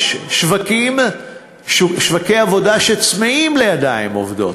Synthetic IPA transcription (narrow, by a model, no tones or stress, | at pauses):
ʃʃvakim | ʃʃvakejavo̞daʃet͡smeimle̞jad̪aimo̰vdo̞̰t